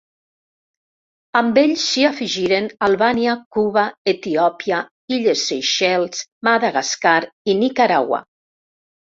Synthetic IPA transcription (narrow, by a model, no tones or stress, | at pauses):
ambeʎsːiafiʒiɾenalˠβaniakuβaet̪iɔpja | iʎesːejʃɛlˠsmaðaɣaskaɾinikaɾaɣwa̰